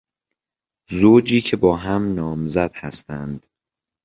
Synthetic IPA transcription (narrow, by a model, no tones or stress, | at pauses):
zoːd͡ʒiːcʰe̞bɒːɦæmnɒːmzæd̪̥hæst̪ænd̪̥